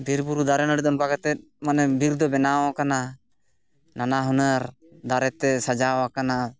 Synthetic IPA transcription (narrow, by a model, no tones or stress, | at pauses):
biɾbuɾud̪aɾɛnəɽid̪ɔnpakat̪ɛt̪̚manɛbiɾd̪ɔbɛnawãkana | nanaɦunəɾ | d̪aɾɛt̪ɛsad͡ʒawakana